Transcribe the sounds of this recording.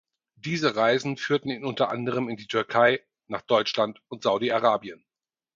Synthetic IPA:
d̥iːzəʁaɪzn̩fyːɐtn̩iːnʊntɐʔa̰ndəʁ̞əmɪndiːtʰʏɐkʰaɪ | naːχd̥ɔʏt͡ʃlantʊntz̥aʊdiaʁaːbiən

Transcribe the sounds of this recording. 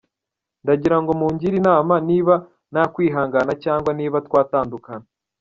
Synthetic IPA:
ndaɟiɾaŋɡo̞muːɲɟiɾinaːmaniːβa | nakwiːɦaːŋɡanacaːŋɡwaniːβatkwaːtaːndukana

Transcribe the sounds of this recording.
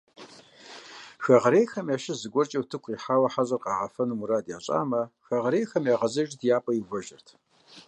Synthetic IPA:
xɐʁɐɾeːjxɐmjaːʃɪzɨɡʷɔrt͡ʃʼɐwtʰɨkʷʰʼiːħaːwɐħazʼɐrqɑːʁɐfɐnɨmuɾaːdja̰ːɕʼa̰ːmɐxɐʁɐɾejxɐmjaːʁɐzɐʒtʰjaːpʼɐjɪvʷɔʒɐrtʰ

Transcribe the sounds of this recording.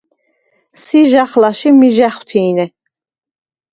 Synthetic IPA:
siʒaχlaʃimiʒaχwt̪ʰiːnɛ

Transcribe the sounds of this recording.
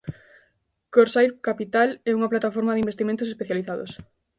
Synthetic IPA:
koɾsajɾkapit̪alɛuŋaplat̪afɔɾmaðɪimbest̪iment̪ʊsespeθjaliθaðo̰s

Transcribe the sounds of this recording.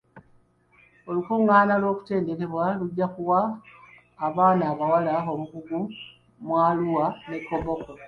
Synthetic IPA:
o̞lukuːŋɡaːnalwo̞ːku̥te̞ːnde̞ke̞βwaluɟːaxuwaː | βaːnaːβawalao̞muɡuɡu | mwaːluwane̞kːo̞βo̞ko

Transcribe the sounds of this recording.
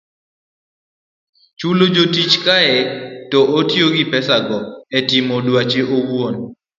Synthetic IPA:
t͡ʃulod͡ʒotit͡ʃkaɛtɔʔotjoɡipɛsaɡɔɛtimodwat͡ʃeʔowon

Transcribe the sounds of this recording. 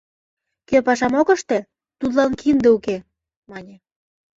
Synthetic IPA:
køpɑʃɑmokə̆ʃt̪ĕ | t̪ut̪lɑnkind̪euke | mɑnʲĕ

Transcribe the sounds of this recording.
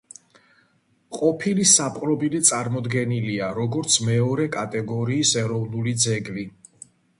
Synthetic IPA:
qʼɔpʰilisapʼqʼɾɔbilit̪sʼaɾmɔd̪ɡɛniliaɾɔɡɔɾt̪sʰmɛɔɾɛkʼat̪ʼɛɡɔɾiːsɛɾɔvnulid̪zɛɡvi

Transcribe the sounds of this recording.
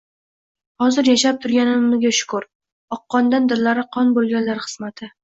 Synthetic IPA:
hɒzɪɾjaʃap̚t̪ʰʊɾɡʲanɪmɪzɡʲaʃʊ̥kʰʊɾ | ɒqːɒnd̪and̪ɪɾlaɾɪqʰɒnbolˠɡʲanlaɾχɨ̥z̥mat̪ʰɪ

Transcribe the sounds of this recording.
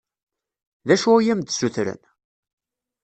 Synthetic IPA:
ðæʃujæmd̪suθɾə̰n

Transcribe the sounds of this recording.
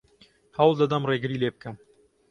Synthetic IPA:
hɐwlˠd̪ɐd̪ɐmreːɡɨɾiːleːbɨkʰɨm

